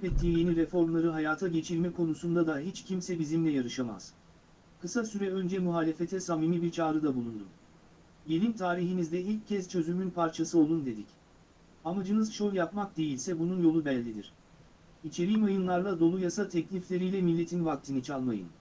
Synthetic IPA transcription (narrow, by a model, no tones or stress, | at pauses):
pɛt̪ʰːiːije̞niɾefo̞ɾmlˠaɾɯɦajaːt̪ʰaɟe̞t͡ʃʰiɾmɛkʰo̞nusund̪ad̪aɦit͡ʃcʰimsɛbizimlʲɛjaɾɯʃama̰z̥ | kʰɯsasyɾɛø̞nd͡ʒɛmuɦaːlʲe̞fe̞t̪ʰɛsamimibiɾt͡ʃʰaːɾɯd̪abulˠund̪um | je̞lʲimt̪ʰaːɾiɦinizd̪ɛilʲcʰːɛst͡ʃʰø̞zymynpʰaɾt͡ʃʰasɯo̞lˠund̪e̞d̪ic | amad͡ʒɯnɯzʃojʲjapmak̚d̪e̞jilʲsɛbununjo̞lˠubɛlʲːid̪ḭɾ̥ | it͡ʃʰe̞ɾiːmajɯnlˠaɾlˠad̪o̞lˠujasat̪ʰɛclʲiflʲe̞ɾijlʲɛmilʲːe̞t̪ʰinvak̚t̪ʰinɯt͡ʃʰalˠmajɯ̰n